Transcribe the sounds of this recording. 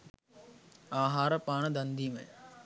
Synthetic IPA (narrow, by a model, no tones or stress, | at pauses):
aːɦaːɾəpaːɳ̃əd̪ɐnd̪iːmḛ̃